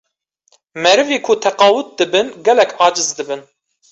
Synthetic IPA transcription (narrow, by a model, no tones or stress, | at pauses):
mɛɾɨveːkʰut̪ʰɛqɑːwʊt̪̚d̪ɨbɨnɡɛlɛkʰɑːd͡ʒɨzd̪ɨbɨn